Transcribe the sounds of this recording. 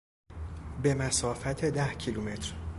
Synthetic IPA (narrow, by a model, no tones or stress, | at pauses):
be̞mæsɒːfæt̪ʰe̞d̪æhcʰilume̞t̪ʰɾ